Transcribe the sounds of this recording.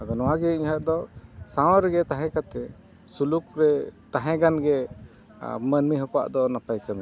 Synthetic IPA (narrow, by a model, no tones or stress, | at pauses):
ad̪ɔnɔwaɡɛiɲhaʔ̚d̪ɔsawɾɛɡɛt̪aɦɛ̃kat̪ɛ | suluk̚ɾɛt̪aɦɛ̃ɡanɡɛ | mənmiɦɔka̰ʔd̪ɔnapajkəmɛ